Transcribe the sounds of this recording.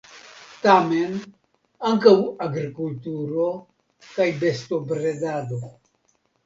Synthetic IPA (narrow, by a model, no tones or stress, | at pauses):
t̪amen | aŋkawaɡɾikult̪uɾo | kajb̪est̪obɾed̪ad̪o